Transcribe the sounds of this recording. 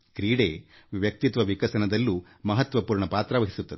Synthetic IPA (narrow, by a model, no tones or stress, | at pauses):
kɾiːɽeː | ʋjɐk̚t̪it̪ʋɐʋikɐsɐnɐd̪ɐlːu | mɐɦɐt̪ʋɐpuːɾɳɐpaːt̪ɾɐʋɐɦisut̪ːɐd̪